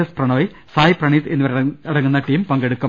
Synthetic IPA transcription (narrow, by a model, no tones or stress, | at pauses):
ɐsprɐɳɐʋɐj | saːjiprɐɳit̪enːiʋɐɾɐɽɐŋːunːɐʈiːmpɐŋɡeɽukːɐ